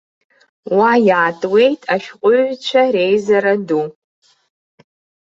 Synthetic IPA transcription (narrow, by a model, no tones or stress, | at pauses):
wajaːtʼwe̞jtʼaʃᶣqʷʼʊɥt͡ʃʷʰaɾe̞jzaɾadu